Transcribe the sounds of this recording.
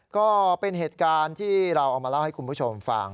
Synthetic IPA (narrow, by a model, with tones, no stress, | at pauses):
kɔː˥˩pe˧nɦeː˨˩t̪̚kaː˧nt̪ʰiː˥˩ɾa˧wʔːk̚maː˧la˥˩wha˥˩jkʰu˧npʰuː˥˩t͡ɕʰo˧mfa̰˧ŋ